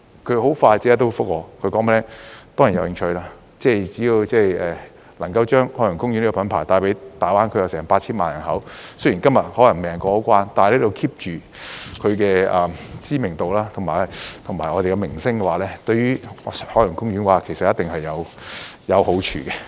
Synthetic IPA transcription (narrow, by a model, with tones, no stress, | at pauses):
kʰɵ˨˧ɦo˨˥wfaː˧jt͡si˧˥t̪̬o˥wfʊ˥k̚wɔː˨˧kʰɵ˨˧kɔː˨˥ŋmɛ˥lɛ˥t̪ɔː˥ŋjnjɐ̰˨˧whɪ˧ŋt͡ʃʰɵ˧ɥlaː˥ | t͡sɛː˥˩t͡siː˨˥ji˧wt͡sɛː˥˩jɛː˨˩ | lɐ˨˩ŋkɐ˧wt͡ʃœː˥ŋhɔː˧˥jʊ˨˩ŋkʊ˥ŋy˧˥nli˥kɔː˨pɐ˨˥npʰaː˨˩jt̪aː˧jpe˨˥jt̪aː˨˩waː˥nkʰɥjɐ˨˧wsɛː˨˩ŋpaː˧t̚t͡ɕʰiː˥nmaː˨njɐ˨˩nɦɐ˨˥wsɵ˥ji˨˩nkɐ˥mjɐ˨t̚hɔː˨˥lɐ˨˩ŋmɛː˨ŋkɔː˧ho˨˧˥wkʷwaː˥nt̪aː˨˧li˥t̪o˨˧wkʰiː˥p̚t͡ʃyː˨ | kʰɵ˨˧ɥkɛː˧ɐː˨mt͡siː˥mɪ˨˩ŋt̪o˨wlaː˥t̪ʰʊ˨˩maː˨˩˨t̪ʰʊ˨˩ŋmaː˨˩jɔː˨˧e˨kɛ˧mɪ˨˩ŋsɪ˥ŋkɛ˧waː˨˥lɛː˥t̪ɵ˧ɥyː˥˨hɔː˨˧˥jʊ˨˩ŋkʊ˥ŋjɥyː˨˥nwaː˨˧kʰe˨˩jsɐt̚jɐ˥t̪ɪ˨ŋhɐ˨jːɐ˨˧w | jɐ˨˧who˨˥wt͡ʃʰy̰ː˨˩kɛ˧